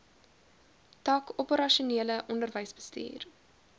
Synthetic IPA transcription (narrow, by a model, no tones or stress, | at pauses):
tɑːkɔpəɾɐʃuniələʔɔndərvəjsbə̥stḭːr